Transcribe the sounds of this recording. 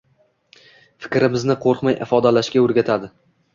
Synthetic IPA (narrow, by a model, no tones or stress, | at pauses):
fɪ̥kʲɾɪmɪznɪqʰoɾqmajʔɪ̰fɒd̪alaʃkʲaɵɾɡʲat̪ʰad̪ɪ